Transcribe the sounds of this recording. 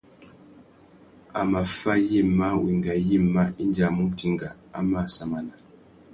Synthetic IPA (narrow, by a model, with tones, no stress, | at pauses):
a˨ma˨fa˦ji˦˨ma˦wi˨ŋɡa˨ji˦˨mːa˦i˦n˦d͡ʒa˨mu˦ti˦ŋɡa˨ | a˦ma˦˨sa˨ma˨na˨